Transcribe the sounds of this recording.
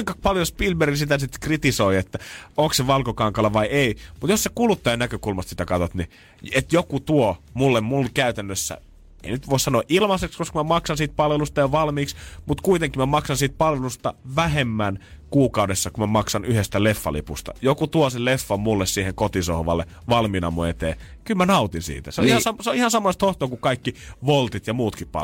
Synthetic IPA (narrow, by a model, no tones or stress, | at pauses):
uiŋkɑpɑljospilberisit̪æsit̪krit̪isoiet̪ːæoŋkseʋɑlkokɑŋkɑlɑʋɑieimut̪jossekulut̪ːɑjɑnækøkulmɑst̪si̥t̪ækɑt̪ot̪ni | et̪jokut̪uomulːemmulkæyt̪ænːøsːæ̰ | ḛinyt̪ʋoˑissɑnoːʔilmɑsekskoskɑmæmɑksɑnsiːt̪̚pɑlʋelust̪ɑjɑʋɑlmiːksmut̪kuit̪eŋkːimæmɑksɑnsiːt̪̚pɑlʋelust̪ɑʋæhemːænkuːkɑudesːɑkumæmɑksɑnyhest̪ælefːɑ̰lḭpust̪ɑ̰jokut̪uoselefːɑmmulːessiːheŋkot̪isohʋɑ̰lːe | ʋɑlminɑ̰muet̪ḛːkylmænɑut̪insḭːt̪æseolihɑsɑseoihɑnsɑmːoest̪hoht̪oːkukɑikːiʋolt̪it̪jɑmuːt̪kippɑ̰